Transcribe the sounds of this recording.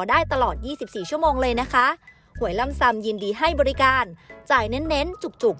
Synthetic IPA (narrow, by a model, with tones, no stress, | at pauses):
daː˥˩jt̪a˧lɔː˨˩t̪̚jiː˥˩si˨˩p̚siː˨˩t͡ɕʰu˥˩əmoː˧ŋlɤː˧jna˦˥kʰa˦˥ʔ | hu˩˦əjla˧˥˩msa˧mji˧ndiː˧ɦa˥˩jbɔː˧ɾi˦˥kaː˧nt͡ɕaː˨˩jne˦˥nːe˦˥nt͡ɕu˨˩k̚t͡ɕu˨˩k̚